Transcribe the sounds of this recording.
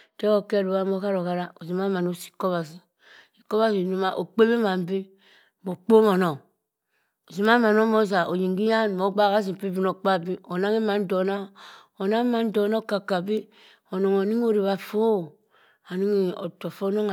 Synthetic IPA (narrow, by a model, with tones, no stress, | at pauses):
te˦o˦˨ke˦˨ɾu˨wa˦m˦o˦ka˦ɾo˨ka˨ɾa˦o˨zi˨ma˦ma˨no˦si̥˦ko˦βa˨si˨ | i˨ko˦βa˦zi˨nu˨ma˦ʔo˨k͡pe˦bi˦ma˨m˦bi˦ | mo˨k͡po˦mo˨no˨ŋ | o˨zi˨m˦a˦ma˨no˦mo˦za˨o˨ji˨ŋɡi˦ja˦n˨mo˨˦ɡ͡ba˦˨ka˦z̬i˨pi˦bi˦no˨k͡pa˦˨bi˦o˨na˦ŋi˦ma˨n˦do˨na˦ | o˨na˦ma˨˦n˦do˨˦no˦ka˨ka˨bi˦ | o˨no˨ŋo˨ni˦ŋ˦o˦˨ɾi˨βa˨fo˦˨ | a˨ni˦ŋi˨o̰˨to˨fo˦no˦ŋ˨